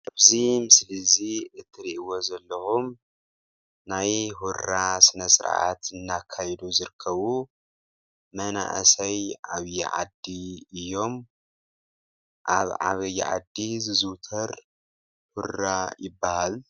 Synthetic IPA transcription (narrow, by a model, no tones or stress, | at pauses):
ʔaβzimɨslɨziɨt̪ʰːɨɾiʔwo̞zɐlːɐxum | najhuɾasɨnɐsɨɾ̰ʔa̰t̪ɨnːakʰːajd̪uzɨɾɨkʰːɐβu | mɐna̰ʔɐ̰sɐjʔaβj̰ʕa̰d̪iɨjːo̞m | ʔaβʕa̰βɐj̰ːʕa̰d̪ːizɨzut̪ʰɐɾ | huɾːajɪbːahal